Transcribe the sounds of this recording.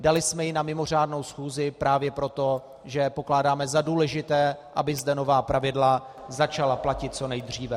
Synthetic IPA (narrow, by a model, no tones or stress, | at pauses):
dalɪsmɛjɪnamɪmo̞r̝aːdno̞wsxuːzɪpɾaːvjɛpɾo̞t̪o̞ | ʒɛpo̞klaːdaːmɛzaduːlɛʒɪt̪ɛːʔa̰bɪzdɛno̞vaːpɾavɪdla | zat͡ʃalaplacɪt̪̚t͡so̞nɛjd̪r̝iːvɛ